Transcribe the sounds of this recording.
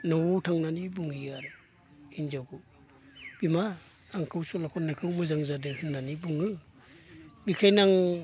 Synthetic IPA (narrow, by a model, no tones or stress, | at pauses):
nɔwtʰaŋnanibuŋijaɾɯ | hinzawkɯ | b̥imaː | ŋkʰɯwsɔlakʰɔnakʰɯwmɯzaŋzadɯhinːanibuŋɯ | bikʰajnaŋ